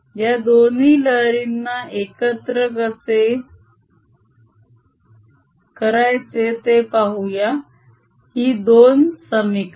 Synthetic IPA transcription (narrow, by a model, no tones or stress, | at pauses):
jjad̪oniːləɾinːaʔekət̪ɾəɡət͡se | kəɾajt͡set̪epaɦuja | hiːd̪onsəmik